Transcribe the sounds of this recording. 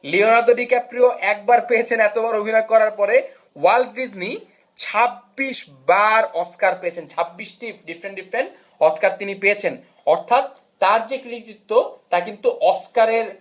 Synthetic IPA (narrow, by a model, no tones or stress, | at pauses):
lionaɾd̪oɖikepɾioʔɛk̚baɾpeet͡ɕʰenɛt̪obaɾobʱinojkɔɾaɾpɔɾe | walɖid͡ʑni | t͡ɕʰabːiʃ | baɾɔskaɾpeet͡ɕʰent͡ɕʰabːiʃʈiɖifɾeɳʈɖifɾeɳʈ | ɔskaɾt̪inipeet͡ɕʰen | ɔɾt̪ʰat̪ː | aɾd͡ʑekɾiit̪it̪ːot̪akint̪uʔɔskaɾeɾ